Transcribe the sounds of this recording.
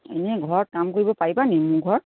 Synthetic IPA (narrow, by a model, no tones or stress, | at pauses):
ḛnɛɡʱɔɹɔɹ̚kamkoɹibɔpaɹibanɛmũɡʱɔɹ